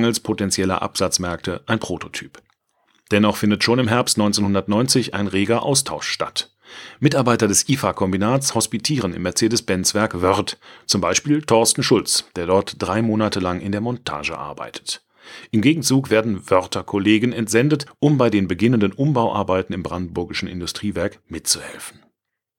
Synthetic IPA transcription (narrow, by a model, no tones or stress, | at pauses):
ŋəlspʰotɛnt͡sjɛlɐ̰ʔa̰pz̥at͡smɛɐk̚tʰəʔaɪnpʁ̥oːtʰotʰy̥ːp | d̥ɛnɔχfɪndətʃoːnɪmɦɛɐpstnɔ̃ʏnt͡seːnhʊndɐtnɔʏnt͡sɪçʔa̰ɪnʁeːɡɐʔa̰ʊstʰaʊʃʃta̰t | mɪtaɐbaɪtɐdɛsʔiːfakʰɔmbinaːtt͡shɔspitʰiːʁənɪ̰mːɛɐt͡seːdəsb̥ɛnt͡sv̥ɛɐkvœʁtt͡sʊmbaɪʃpiːltʰɔɐstn̩ʃʊlt͡sd̥eːɐdɔɐtd̥ʁaɪmoːnatʰəlaŋʔɪndeːɐmɔntʰa̰ːʒə̰ʔa̰ɐba̰ɪtʰə̥t | ʔɪmɡeːɡŋ̩t͡suːkveːɐdn̩vœʁtɐkʰɔleːɡənɛntz̥ɛndətʔʊmbaɪdeːnbəɡɪnəndənʔʊmbaʊʔa̰ɐbaɪtn̩ɪmbʁandn̩bʊɐɡɪʃn̩ɪ̰ndʊstʁ̥iːvɛɐkmɪtt͡suhɛ̰lfn̩